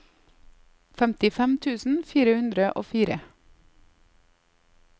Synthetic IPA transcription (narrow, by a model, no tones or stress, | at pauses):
fɛmt̪ɪfɛmt̪ʰʉːsn̩fiːɾəhʉnd̪ɾəʔo̰ːfiːɾə